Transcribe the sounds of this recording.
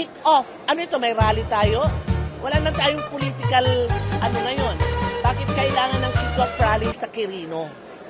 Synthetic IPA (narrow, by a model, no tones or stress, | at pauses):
ɪkʔofʔɐnoɪt̪o̞mɐjɾaːlit̪aːjo̞wʔɐlanɐmɐnt̪aːjoŋpoliːt̪ɪkɐlʔɐno̞ŋɐjo̞nbaːkɪt̪̚kɐʔɪlaːŋɐnːɐŋkɪk̪wɐfɾaːlisɐkɪɾiːno̞